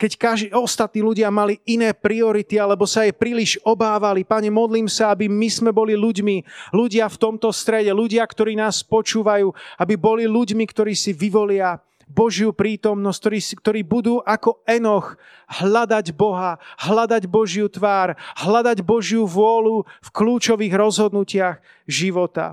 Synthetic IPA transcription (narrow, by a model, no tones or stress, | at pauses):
kɛckaʒɔst̪at̪̚niːluɟɪamaliinɛːpɾiɔɾit̪ialɛbɔsajɛpɾiliʒɔbaːʋalipaɲɛmɔd̪liːmsaabimizmɛbɔliluɟmiluɟɪaft̪ɔmt̪ɔst̪ɾɛɟɛluɟɪakt̪ɔɾiːnaːspɔt͡ʃuːʋajuːabibɔliluɟmikt̪ɔɾiːsiʋiʋɔlɪa | bɔʒjupɾiːt̪ɔmnɔs̚t̪ɔɾiːskt̪ɔɾiːbud̪uːʔakɔɛnɔx | hlad̪aɟbɔɦaɦlad̪aɟbɔʒjut̪ʋaːɾɦlad̪aɟbɔʒjuʋʊɔlufkluːt͡ʃɔʋiːɣɾɔzɦɔd̪nucɪax | ʒiʋɔt̪a̰